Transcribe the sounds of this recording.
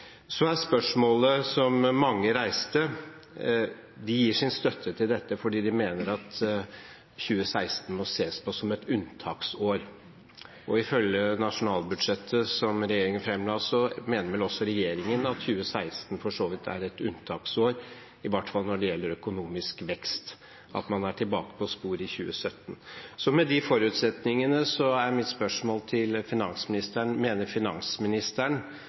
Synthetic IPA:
sɔæspœʂmoːləsɔmːɑŋːəɾæɪst̪ə | d̪ɪjiːʂɪnst̪œt̪ʰːət̪ʰɪld̪ɛt̪ːəfɔɖiːd̪ɪmeːnəɾɑt̪ | çʉːəsæɪst̪n̩mɔseːspʰɔsɔmɛt̪ʉnt̪ʰɑːksoːɾ | ʔɔɪfœljənɑʂʊnɑːlbʉd̪ʂɛt̪ʰːəsɔmɾɛjeːɾɪŋənfɾɛmlɑːsɔmeːnəɾʋɛlɔsːɔɾɛjeːɾɪŋənɑt̪çʉːəsæɪst̪n̩fɔʂoːʋɪt̪ʰæ̰ɾɛt̪ʉ̰nt̪ʰɑːksoːɾ | ɪʋɑʈfɑlnɔɖɛjɛlːəɾœkʊnuːmɪskʋɛkst̪ | ʔɑ̰t̪mɑnæʈʰɪlbɑːkə̥pʰɔspuːɾɪçʉːəsœt̪ːn̩sɔmɛd̪ɪfɔɾʉːt̪sɛt̪nɪŋənəsɔæɾmɪt̪spœʂmoːlt̪ʰɪlfɪnɑnsmɪnɪst̪æɳmeːnəɾfɪnɑ̰nsmɪnɪst̪æɳ

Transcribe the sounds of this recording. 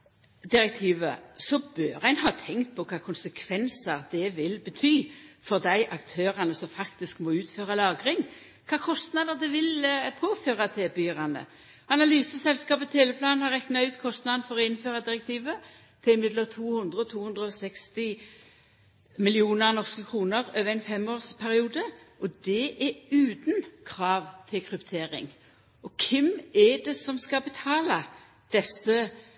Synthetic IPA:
d̪ɪɾɛk̚t̪ʰiːʋə̰sɔbøːʁæɪnhɑːt̪ʰɛŋkt̪̚pʰɔkʰɑːkʰʊnsəkʰʋɛnsəʁd̪ɛʋɪlbət̪ʰyːfɔʁd̪æɪʔɑkt̪ʰøːʁənəsɔmfɑkt̪ɪskmɔʉːt̪føːʁɑlɑːɡʁɪŋ | kʰɑːkʰɔst̪nɑd̪əd̪ɛʋɪlpʰoːføːʁɑt̪ʰɛːbyːʁɑnə̰ | ɑnɑlyːsəsɛlskɑːpət̪t̪ʰeːʋəpʰlɑːnhɑʁɛknɑʉːt̪kʰɔst̪nɑd̪n̩fɔʁɔɪnføːʁɑd̪ɪʁɛk̚t̪ʰiːʋə | t̪ʰɪɪmɪd̪lət̪ʰuːhɵnd̪ʁəɔt̪ʰuːhʉnd̪ʁəɔsɛkst̪ɪ | mɪlɪuːnəʁnɔʁskəkʰʁuːnəʁøːʋəʁæɪnfɛmoːʁspʰæʁɪuːd̪ə | ʔɔd̪ɛʔɛʉːd̪nkʰʁɑːʋt̪ʰɪlkʰɾʉpt̪ʰeːʁɪ̰ŋ | ɔkʰɛmɛɖɛsɔmskɑbət̪ʰɑːlɑ | d̪̥ɛsə

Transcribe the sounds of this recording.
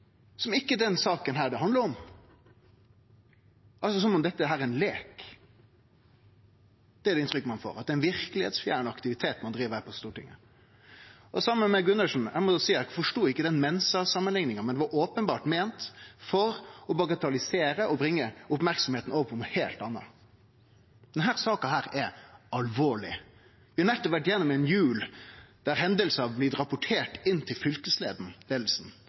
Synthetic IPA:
sɔmɪkːəd̪ɛnsɑːkənɦæːɖɛɦɑnd̪əɾɔm | ʔɑls̬ɔsɔmɔmd̪ɛt̪ːəɦæːɾɛɛnleːk | d̪̥ɛæɖɛɪnt̪ɾʏkːəmɑnfo̰ːɾɑt̪d̪ɛɪnʋɪɾkəlɪhḛːt̪sfjæ̰ːnɑkt̪ɪʋɪt̪ʰeːt̪mɑnd̪ɾiːʋəæpʰɔst̪uːʈɪ̰ŋːə | ʔɔsɑmːəmɛɡʉnːəʂn̩æmɔsiːɑkfɔʂʈuːɪkːəd̪ɛnmɛnːəsəɑsɑmːənlɪŋnɪŋəmɛnd̪ɛʋɑɾʔoːpənbɑːʈmeːnt̪fɔɾɔbɑɡɑt̪ɑlɪseːɾəʔɔbɾɪŋːəʊpmæɾksɔmheːt̪n̩oːʋəpʰɔmheːlt̪ɑnːɑ̰ | d̪̥ɛnɦæːɾsɑːkɑɦæːɾɛɑlʋoːɭɪ | ʋɪɑnɛt̪ːɔʋæʈjɛnːɔmɛnjʉːld̪̥æɾɦɛnd̪əlsɑʋblɪːd̪ɾɑpʊʈʰeːʈɪnːt̪ʰɪlfʏlkəslḛːd̪n̩leːd̪l̩sn̩

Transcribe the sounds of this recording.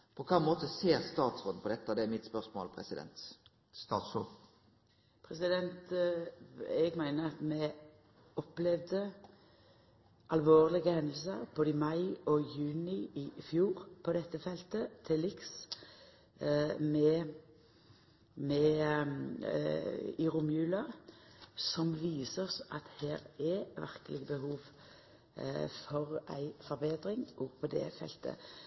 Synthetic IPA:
pʰɔkʰɑmoːt̪əseːʁst̪ɑːt̪sʁod̪n̩pʰɔd̪ɛt̪ːad̪ɛæmɪt̪spœʁsmo̰ːlpʰɾɛ̰sɪd̪ɛ̰nt̪ː | pʰɾɛsɪd̪ɛnt̪ | ɛɡmæɪnəɑt̪mɛ | ɔplɛʋd̪ə | ʔɑlʋoːʁlɪɡəhɛnd̪l̩səʁboːd̪əmɑɪɔjʉːnɪɪfjuːʁpʰɔd̪ɛt̪ːəfɛlt̪ət̪ʰɪlɪks | mɛ | mɛ | ɪʁʊmjʉːlɑ | sɔmʋiːsəsɑt̪heːɾɛʋæ̰ʁkəlɪɡəbəɦuːʋ | fɔʁæ̰ɪfɔʁbeːd̪ʁɪŋʔɔɡpʰɔd̪ɛ̰fɛ̰lt̪ʰə̰

